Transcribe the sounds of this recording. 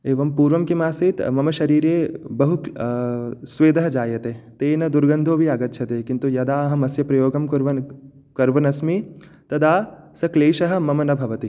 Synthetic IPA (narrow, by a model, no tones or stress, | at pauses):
eːʋɐmpuːɾʋɐmkimaːsit̪mɐmɐʃɐɾiːɾjeːbɐɦu | sʋeːd̪ɐɦɐd͡ʒaːjɐt̪eːt̪eːnɐd̪uɾɡɐnd̪ʱoːbʱiɐɡɐt̪ːʃʰɐt̪eːkint̪ujɐd̪aːɐɦɐmɐsjɐpɾɐjoːɡɐmkuɾʋɐn | kɐɾʋɐnɐsmi | t̪ɐd̪aːsɐkleːʃɐɦɐ̆mɐmɐnɐbʱɐʋɐt̪i